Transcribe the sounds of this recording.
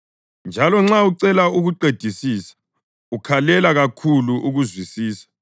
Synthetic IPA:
nd͡ʒʱalɔŋ͡ǁauǀɛlauɣuǃed̥ʱisiːsḁ | ukʰalɛlaɣakʰuluʔuɣuzwisiːsḁ

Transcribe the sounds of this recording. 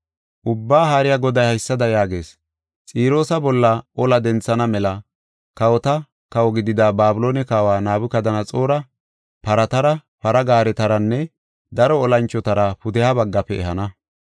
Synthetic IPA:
ʔʊbːaːɦaːɾɪjaɡɔd̪ɐjhɐjsːɐd̪ɐjaːɡe̞ːs | t͡sʼiːɾo̞ːsɐbɔlːɐʔɔlɐd̪ɛnt͡sːɐnɐmɛlɐ | kɐwɔt̪ɐ | kɐwɔɡɪd̪ɪd̪abaːbɪlo̞ːnɛkaːwaːnaːbʊkɐd̪ɐnɐt͡sʼo̞ːɾɐ | pɐɾɐt̪ɐɾɐ | pɐɾɐɡaːɾɛt̪ɐɾɐnːɛ | d̪ɐɾɔːlɐnt͡ʃːɔt̪ɐɾɐpʊd̪ɛhabɐɡːɐpːɛɛɦɐnɐ

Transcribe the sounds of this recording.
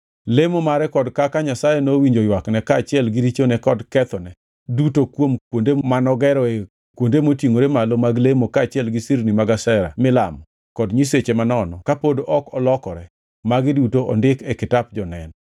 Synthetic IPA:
lemomaɾɛkɔdkakaɲasajɛnowiɲd͡ʒojwaknɛkaːt͡ʃɪɛlɡɪɾit͡ʃonɛkɔdkɛt̪ɔnɛ | dutokwomkwondemanɔɡɛɾɔe | kwondemotjiŋoɾemalomaɡlemokaːt͡ʃɪɛlɡɪsiɾnimaɡasɛɾa̰mɪla̰mɔ | kɔdɲiset͡ʃemanɔnɔkapodoʔɔkɔlɔkɔɾɛ | maɡɪdutoɔ̰ndɪkɛkɪtap̚d͡ʒɔnɛn

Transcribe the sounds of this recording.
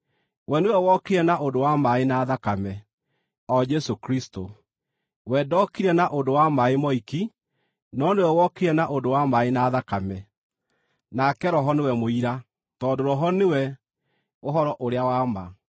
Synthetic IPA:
wɛnewɛwɔkeɾɛnaʔondowamaenaːðakamɛ | ɔd͡ʒɛsokɾisto | wɛdɔkiɾɛnaʔondowamaemɔiki | nɔnewɛwɔkeɾɛnaʔodowamaenaːðakamɛ | nakɛɾɔɦɔnewɛmoiɾa | tɔdoɾɔɦɔnewɛ | oɦɔɾɔʔoɾeawama

